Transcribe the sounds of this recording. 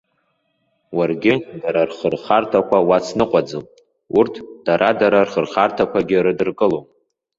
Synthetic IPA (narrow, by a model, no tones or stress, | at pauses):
warɡʲɪdaɾarχərχartʰakʷʰawat͡sʰnɨqʷʼad͡zɨm | urtʰd̥aɾʔadaɾarχərχartʰakʷaɡʲɪɾɨdɨrkʼɨlow